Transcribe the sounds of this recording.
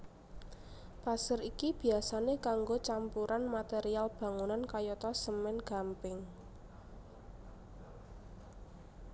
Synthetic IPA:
pasəɾikib̥i̤asanekaŋɡot͡ʃampuɾanmat̪eɾialb̥ä̤ŋunankajɔt̪ɔsəmɛnɡ̥a̤mpɪŋ

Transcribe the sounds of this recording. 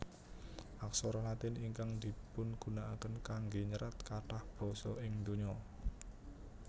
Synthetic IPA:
ʔaksɔɾɔlat̪ɪniŋkaŋd̪i̤pʊnɡ̥ṳnaʔakənkaŋɡeɲəɾat̪̚kaʈahb̥ɾɔ̤sɔ̰ɪŋd̪uɲɔ

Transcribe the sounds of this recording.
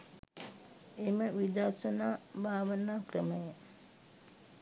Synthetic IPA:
eməʋid̪aɾsənaːbʱaːʋənaːkrəməjə

